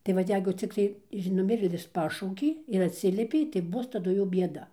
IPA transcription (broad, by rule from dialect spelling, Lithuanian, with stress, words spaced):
tɐɪ ˈʋɐt ˈjɛɪɡʊ ˈt͡sʲɪktɐɪ ɪʃ nʊˈmʲɪrʲeːlʲɪs pɐˈʃɐʊkʲeː ɪr ɐtʲˈsʲɪlʲiɛpʲɛɪ tɐɪ ˈbʊs tɐˈdʊ jɛʊ bʲiɛˈdɐ